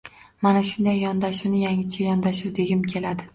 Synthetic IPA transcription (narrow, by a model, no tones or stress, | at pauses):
manaʃʊnd̪ajːɒnd̪aʃʊnɪjaŋɪt͡ʃʰajɒnd̪aʃuwd̪e̞ɡʲɪmkʲʰe̞lad̪ɪ